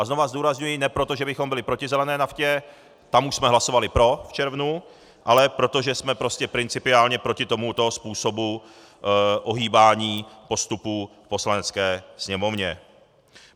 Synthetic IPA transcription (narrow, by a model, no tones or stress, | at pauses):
ʔazno̞vazd̪uːɾazɲujinɛpɾo̞t̪oʒɛbɪxo̞mbɪlɪpɾo̞cɪzɛlɛnɛːnafcɛ | t̪amuʃsmɛɦlaso̞valɪpɾo̞ft͡ʃɛɾvnu | ʔalɛpɾo̞t̪o̞ʒɛsmɛpɾo̞scɛpɾɪnt͡sɪpɪaːlɲɛpɾo̞cɪt̪o̞mut̪oɦospuːso̞bu | ʔoɦiːbaːɲiːpo̞st̪upuːfpo̞slanɛt͡skɛːsɲɛmo̞vɲɛ